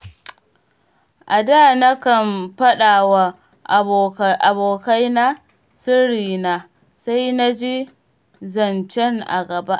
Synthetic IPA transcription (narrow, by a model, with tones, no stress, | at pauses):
ʔa˨daː˦˨na˦kɐ˨mɸɐ˦ɗaː˨wa˨˦ | ʔa˨boː˨ka˦jna˦ | sɪ˦ɽiː˨na˨ | sa˦jna˦d͡ʒi˦ | zɐ˨nt͡ʃɛ˦ŋʔa̰˨ɡɐ˨ba˦ʔ